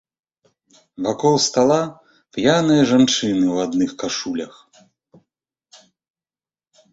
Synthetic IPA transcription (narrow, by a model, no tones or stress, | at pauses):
vakɔlˠst̪alˠa | pjanɐjɐʐant͡ʂɨnɨwad̪nɨxkaʂulʲɐx